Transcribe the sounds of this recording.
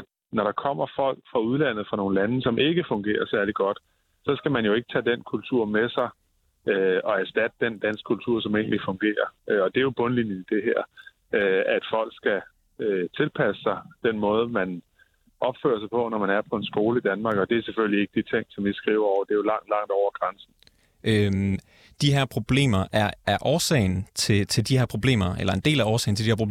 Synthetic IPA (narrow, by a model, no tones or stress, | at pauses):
nɒɾ̥ɑ̈kʰɒ̽m̰ɐfɒ̽l̰ɡ̥fʁɑ̈uð̞ˠlæn̰ð̩ˠfʁɑ̈no̝ːn̩lænəsɒ̽mʔe̝ɡ̥əfɔ̽ŋɡ̥e̝̰ːɐsæɐliɡ̥ɒ̽d̥ | sɒ̽sɡ̥æmænjo̝e̝ɡ̥ə̥t͡sʰɛ̰ːd̥enkʰult͡sʰuɐ̰mesɑ̈ɪ | ɒ̽æɐsd̥æd̥əd̥end̥æn̰sɡ̥kʰːult͡sʰuɐ̰sɒ̽me̝̰ːn̩lifɔ̽ŋɡ̥e̝̰ːɐɒ̽d̥e̝jo̝b̥ɔ̽nlinənid̥e̝ɦæɐ̰ | æd̥fɒ̽l̰ɡ̥sɡ̥æ | øt͡sʰe̝lpʰæsə̥sɑ̈ɪd̥en̰mɔ̽ːð̞ˠmæn | ʔɒ̽b̥fø̰ːɐsɑ̈ɪpʰɒ̽nɒmænæɐpʰɒ̽e̝nsɡ̥o̝ːləid̥ænmɑ̈ːɡ̥ɒ̽d̥e̝æɐsefølie̝ɡ̥əd̥it͡sʰeŋ̰sɒ̽mjisɡ̥ʁḭːʊɐɒʊɐd̥e̝jolɑ̈ŋ̰d̥lɑ̈ŋ̰d̥ɒʊ̰ɐɡ̥ʁɑnsn̩ | ʔø | d̥iɦeɐ̰pʰʁo̝b̥le̝̰ːmɐʔæɐːɐʔɒːsɛ̰ɪnt͡sʰe̝t͡sʰe̝ld̥iheɐ̰pʰʁo̝b̥le̝̰ːmɐḛlɐe̝nd̥e̝̰ːlæɒːsɛ̰ɪnt͡sʰe̝d̥iheɐ̰pʰo̥